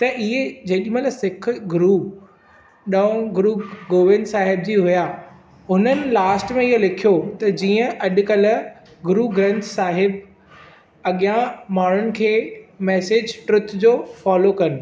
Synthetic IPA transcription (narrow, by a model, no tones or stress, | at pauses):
t̪ɐʔiɦed͡ʑɐɦɗimɐlsɪkʰɡʊɾuːp | ɗɐõɡʊɾuːɡoːʋɪ̃nd̪saːɦɪbd͡ʑiːɦʊja | ɦʊnənɪ̆laːsʈmẽɪɦolɪkʰijot̪ɐd͡ʑiːə̃ʔɐɗ̆kɐl̆ | ɡʊɾuːɡɾɐ̃nt̪saːɦɪb | ɐɠijãmaːɳ̤ʊnɪ̆kʰeːmɛːseːd͡ʑʈɾʊt̪ʰd͡ʑoːfɔːlokɐnɪ̆